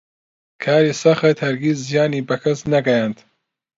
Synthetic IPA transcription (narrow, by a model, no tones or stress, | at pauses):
kʰaːɾiːsɐxet̪hɐɾɡiz̬zːijaːniːbɐkʰɐsnɐɡɐjant̪